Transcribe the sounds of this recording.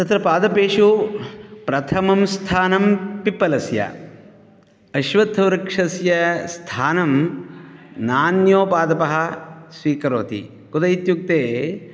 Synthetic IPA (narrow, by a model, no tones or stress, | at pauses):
t̪ɐt̪ɾɐpaːd̪ɐpeːʂu | pɾɐt̪ʰɐmɐmst̪ʰaːnɐmpipːɐlɐsjɐ̰ | ɐʃʋɐd̪ʰʱɐʋɾɐkʂɐsjɐst̪ʰaːnɐm | naːnjoːpaːd̪ɐpɐɦɐsʋiːkɐɾoːt̪ḭ | kud̪ɐjit̪juk̚t̪eː